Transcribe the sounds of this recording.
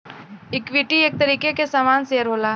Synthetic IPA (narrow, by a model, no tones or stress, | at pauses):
ɪkwɪʈieːk̚t̪əɾiːkekesaːmaːnseːəɾɦoːlaː